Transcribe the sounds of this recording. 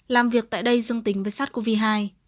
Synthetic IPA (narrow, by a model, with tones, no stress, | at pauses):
laː˨˩mvi˨˩ək̚t̪a̰ː˧˨jɗə˧jzɨ˧əŋt̪i˨˦ŋ̟vəː˨˩jsaː˦˥t̚ku˧vi˧ɦaː˧j